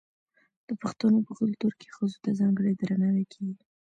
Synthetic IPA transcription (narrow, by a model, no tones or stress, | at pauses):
d̪̥əpaxt̪anopəɣəlt̪uɾkʰe̥xəzot̪azɑŋɡəɽed̪ɾanawakʰewi